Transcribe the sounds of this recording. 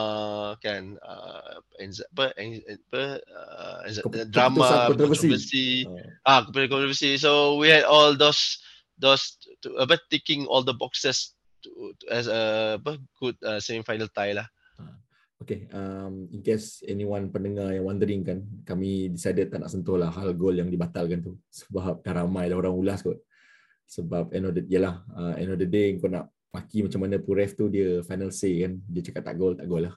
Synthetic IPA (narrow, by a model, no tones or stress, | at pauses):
akɛ̃na̰ɛ̰̃nzapəʔɛɛnpə̰ | ɛ̰dɹamaaɔ̃nt̪ɾɔvəsivəsiʔakpkɔ̃t̪ɔvəsisowihɛdɔld̪os | d̪ostuʔəbat̪ekĩŋʔɔ̰ld̪əbɔksəs | tuɛsəpəɡ̥ud̚asẽmfajnəlt̪ajlah | a | okeəmiŋkɛsɛniwanpənəŋajaŋwand̪əɾiŋkankamidisajdəd̪̚t̪ːaʔna̰ʔsənt̪ɔlahɦalɡoljaŋdibat̪alkant̪usə̥bap̚t̪aɾamãjlaɦoɾaŋulaskɔʔ | səbap̚ɛnɔfdəjəlahəɛ̰nɔfdədeəŋkoʔna̰ʔ | makimat͡ʃamanə̃puɾɛft̪udiəfajnəlsekandiət͡ʃḁkat̪ːa̰ʔɡolt̪a̰ʔɡolːah